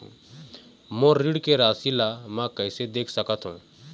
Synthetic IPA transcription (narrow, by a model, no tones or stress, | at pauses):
moɾiɽkeɾaːsilamãkəɪsed̪eːkʰsəkət̪ɦṵ̃